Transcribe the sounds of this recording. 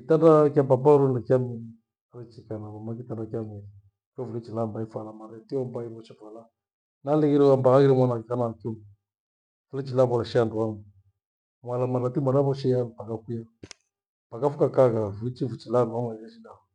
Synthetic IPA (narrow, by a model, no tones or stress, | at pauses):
kitadakababaɾunakamini | aɾɛt͡ʃikanaβamakitanakjamɛɾi | kɔvuit͡ʃilambaifalamaɾɛtiɔmbaiβɔt͡ʃifala | nalɛɣiɾɛambaɣaɣiɾɛmwanakikanakɔ | fulɛt͡ʃilaβalaʃianduamu | mwalamaɾatimaɾaβɔʃɛjabakakuja | pakafukakakavulit͡ʃivut͡ʃilandamaaʃidaɔ